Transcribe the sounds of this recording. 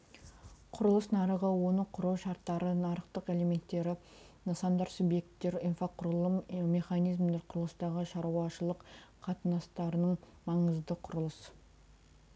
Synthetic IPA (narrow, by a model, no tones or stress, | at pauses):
qʰʊɾəlˠəsnɑɾəʁəwo̞nəqʰʊɾuwʃɑɾt̪ːɑɾənɑɾəqt̪əqe̞le̞me̞nt̪ːe̞ɾɪ | nɑsɑnd̪ɑɾsubje̞k̚t̪ːe̞ɾijnfaqʰʊɾlˠəmme̞χɑnijzmd̪eɾqʰʊɾəlˠəst̪ɑʁəʃɑɾuɑʃəlˠəqʰɑt̪ənɑst̪ɑɾənəɴmɑɴəzd̪əqʰʊɾəlˠəs